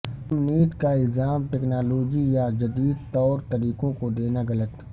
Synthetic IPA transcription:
əmniːd̪kaɪlzaːmʈɛknaːloːd͡ʒijad͡ʒɐd̪iːd̪̚t̪ɔːɾt̪ɐɾiːkõkod̪eːnaɣɐlət̪

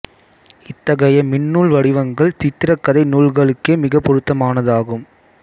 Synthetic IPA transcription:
ɪt̪ːɐɣɐjɐmɪnːuːɭʋɐɽɪʋɐŋɡɐɭt̪ɪt̪ːɪɾɐkːɐðɐɪnuːlɣɐɭɯkːeːmɪɣɐpːɔɾɯt̪ːɐmaːnɐðaːɣɯm

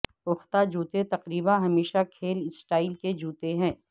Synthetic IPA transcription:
ʊxt̪ad͡ʒuːt̪et̪ɐqɾiːbãɦɐmeːʃakʰeːlɪsʈaːɪlked͡ʒuːt̪eɦɛ̃ː

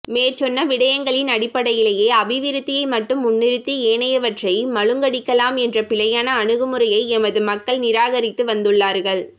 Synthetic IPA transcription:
meːɾt͡ʃɔnːɐʋɪɽɐjɐŋɡɐɭɪnɐɽɪpːɐɽɐjɪlɐjeːɐʋɪʋɪɾɯt̪ːɪjɐɪmɐʈːɯmʊnːɪɾɯt̪ːieːɳɐjɐʋɐʈrɐɪmɐɻɯŋɡɐɽɪkːɐlaːmɛndrɐpɪɭɐjaːnɐːɳɯɣɯmɯɾɐjɐɪɛmɐðɯmɐkːɐɭnɪɾaːɣɐɾɪt̪ːɯʋɐnd̪ɯɭːaːɾɣɐɭ

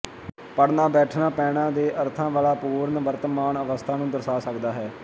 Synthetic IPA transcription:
pəɽnaːbɛːʈʰnãːpɛːɳãːd̪eːʔəɾt̪ʰãːʋaːlaːpuːɾənʋəɾt̪əmaːnəʋəst̪ʰaːnũːd̪əɾsaːsəkd̪aːɦɛː

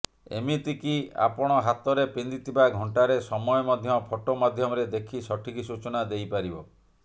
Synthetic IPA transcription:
ḛmit̪ikia̰pɔɽ̃ɔɦat̪ɔɾepind̪it̪ʰibaɡʱɔɳʈaɾesɔmɔjɔmad̪ʱjɔpʰɔʈomad̪ʱjɔmɔɾed̪ekʰisɔʈʰikisut͡ʃɔnad̪ejpaɾibɔ

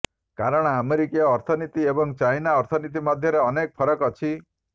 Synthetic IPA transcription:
kaɾɔɽ̃ɔameɾikijɔːɾt̪ʰɔnit̪iebɔŋt͡ʃajnaɔɾt̪ʰɔnit̪̬imɔd̪ʱjɔɾeɔnek̚pʰɔɾɔkɔt͡ʃʰi

